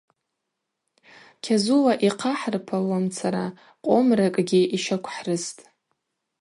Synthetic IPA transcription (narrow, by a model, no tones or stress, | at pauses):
kʲʰazuwaʔiqʰaħrpʰalːamt͡sʰaɾa | qʷʼomrakʼɡʲiʔiʃakʷʰħrɨstʼ